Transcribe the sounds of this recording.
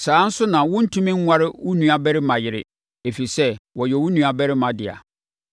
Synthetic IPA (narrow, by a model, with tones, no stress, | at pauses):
saː˨˦n̩˦sʊ˦nã˨wʊ̃˦n̩˦tʰũ˦mĩ˦ŋ̩˦wʷa˦ɾɪ˦wʊ˦nũ˦a˦bɛ˦ɾɪ˦mã˨jɪ˨ɾɪ̰˨ | e˨fi˨sɛ˦wɔ˨jɛ˨wʊ̃˦nũ˦a˨bɛ˦ɾɪ˦mã˨dɪ˨a̰˨